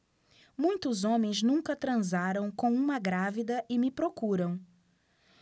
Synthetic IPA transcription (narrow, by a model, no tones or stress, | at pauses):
mũj̃t̪ʊzõmẽj̃znũkɐt̪ɾɐ̃zaɾɐ̃w̃kõw̃ũmɐɡɾavid̪ɐʔɪmɪpɾokuɾɐ̃w̃